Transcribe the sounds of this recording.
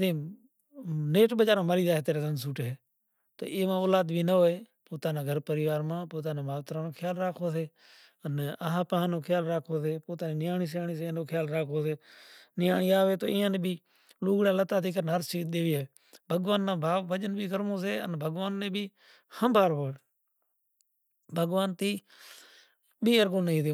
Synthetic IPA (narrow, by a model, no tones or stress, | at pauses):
ẽː | neːʈɓəd͡ʒaːɾãːmaːɾiːzaːɦt̪eːɾeːzənsuːʈɦeː | t̪o̰ːʔeːmãːoːlaːd̪bʱiːnəɦoːeː | poːt̪ãːnãːɡʱəɾpəɾɪʋaːɾmãːpoːt̪aːnẽːmaːʋt̪ɾãːnoːkʰɪjaːlɾaːkʰoːseː | ənaɦãːpãːnoːkʰɪjaːlɾaːkʰoːseːpoːt̪aːnĩːnɪjaːɳiːs̬jaːɳiːsenoːkʰjaːlɾaːkʰoːseːnɪjaːɳiːaːʋeːt̪o̰ːʔɪːãːnẽːbiː | luːɡɽaːlət̪aːt̪iːkənəɾsiːɗ̪eːʋiːeː | bʱəɡʋaːnːãːbʱaːʋːəd͡ʒənbʱiːkəɾmõːs̬eːə̰nbʱəɠʋaːnːẽːbʱiː | həmbʱaːɾɦoːe | bʱəɡʋaːnt̪iː | biːəɾɡõːnəĩːd̪joː